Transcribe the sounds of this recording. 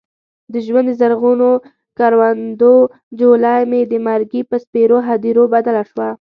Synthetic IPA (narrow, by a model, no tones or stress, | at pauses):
d̪əʒwand̪d̪əzaɾɣuno | kɑɾwand̪o | d͡ʒolɑjmed̪əmaɾɡipəspeɾoɦad̪iɾobad̪alaʃwa